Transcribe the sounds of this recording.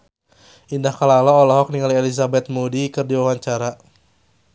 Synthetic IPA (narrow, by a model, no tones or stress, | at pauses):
ʔindahkalalɔːlɔɦɔk̚niŋaliɛlisabɛt̪̚mudikɨrdiwawaɲt͡ʃaɾa